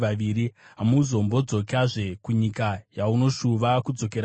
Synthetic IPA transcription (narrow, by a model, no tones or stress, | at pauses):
aʋiːɾiɦamuzo̞mbo̞d͡zo̞kaʐe̞kuɲikajauno̞ʃuʋakud͡zo̞ke̞ɾ